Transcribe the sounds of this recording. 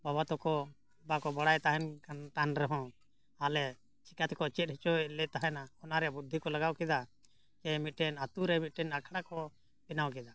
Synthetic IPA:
baβat̪ɔkɔ | bakɔbaɽajt̪aɦɛnkant̪anɾɛɦɔ̃ | alɛ | t͡ʃikat̪ɛkɔt͡ʃɛt̪̚hɛt͡ʃɔlɛʔ̚t̪aɦanaɔnaɾɛjabud̪ʱːikɔlaɡawkɛd̪a | kɛmit̪̚ʈɛnat̪uɾɛmit̪̚ʈɛnakʰɽakɔ | pɛnawkɛd̪a

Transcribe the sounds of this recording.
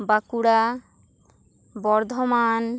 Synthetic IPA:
bakuɽa | bɔɾd̪ʱɔman

